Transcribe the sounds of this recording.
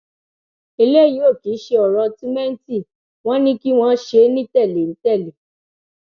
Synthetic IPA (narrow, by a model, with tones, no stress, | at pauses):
i˧le˦˨jĩ˨˦o˦˨ki˨˦ʃe˧ɔ˨ɾɔ˧ti˦mɛ˦n̩˦ti˦˨ | w̃ɔ̃˦nĩ˦ki˦w̃ɔ̃˦ʃe˧˦nĩ˦tɛ˦˨le˨n̩˨˦tɛ˦˨le˨